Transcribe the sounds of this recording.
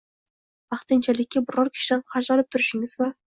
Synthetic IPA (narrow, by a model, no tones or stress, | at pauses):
bɑχt̪ɪnt͡ʃʰalɪkʲːabʊɾɒɾkʲʰɪ̥ʃɾanqɑʒɑnɪp̚t̪ʰʊɾɪʃɪŋɪzva